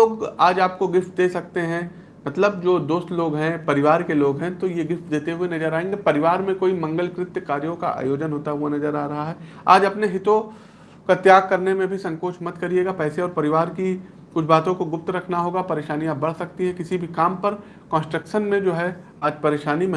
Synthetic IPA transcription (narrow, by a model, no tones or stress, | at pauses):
oːɡaːd͡ʒaːp̚koɡɪft̪̚d̪eːsɐk̚t̪eɦɛ̃ | mɐt̪ləb̚d͡ʒoːd̪oːst̪loːɡɦɛ̃pɐɾɪʋaːɾkeloːɡɦɛ̃t̪ojeɡɪft̪̚d̪eːt̪eɦʊenɐzəɾaːẽːŋɡepɐɾɪʋaːɾmẽkoːimɐ̃ŋɡəlkɾɪt̪jkaːɾjõka̰ʔa̰ːjoːd͡ʒənɦoːt̪aɦʊanɐzəɾaːɾɐɦaɦɛː | a̰ːd͡ʒɐpneɦɪt̪õ | kat̪jaːɡ̚kɐɾnemẽbʱisɐ̃ŋkoːt͡ʃʰmɐt̪kɐɾieːɡapɛːseɔːɾpɐɾɪʋaːɾki | kʊt͡ʃʰbaːt̪õkoɡʊp̚t̪ɾɐkʰnaɦoːɡapɐɾeːʃaːnijãbɐɽ̤sɐk̚t̪iɦɛkɪsibʱikaːmpɐɾ | kɔ̃ːnsʈɾəkʃənmẽd͡ʒoːɦɛ | aːd͡ʒpɐɾeːʃaːnim̃